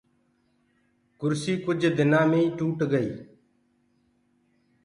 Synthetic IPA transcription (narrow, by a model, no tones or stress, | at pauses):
kʊɾsiːkʊd͡ʒd̪ɪnãːmẽːĩːʈuːʈɡəiː